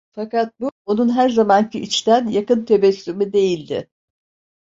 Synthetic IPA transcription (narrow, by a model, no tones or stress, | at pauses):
fakat̪̚buo̞nunɦæɾzamancʰiʔit͡ʃt̪ænjakɯnt̪ʰe̞bɛsːymyd̪e̞jilʲd̪ɪ̰